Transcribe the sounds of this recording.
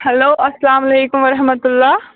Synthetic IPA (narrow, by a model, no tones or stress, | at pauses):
heloːɐslaːmɐleːkumɐɾɐɦmət̪ulːa